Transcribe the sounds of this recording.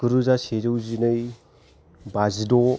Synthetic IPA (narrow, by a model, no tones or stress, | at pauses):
kɯɾɯzaseɾɯwzinɯj | bazidɔ